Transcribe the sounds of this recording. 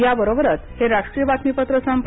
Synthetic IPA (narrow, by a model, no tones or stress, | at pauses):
jabəɾobəɾət̪heɾaʂʈɾijəbat̪mipət̪ɾəsəmp